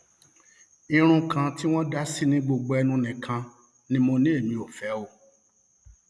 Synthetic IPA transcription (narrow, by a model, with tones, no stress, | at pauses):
i˧ɾ̃ũ˧kʰã˧ti˦w̃ɔ̃˦da˦si˦nĩ˦ɡ͡bo˧ɡ͡bo˧ɛ˧nũ˧nĩ˨kʰã˧ | nĩ˦mɔ̃˧nĩ˦e˦˨mĩ˧o˨fɛ˨˦o˦˨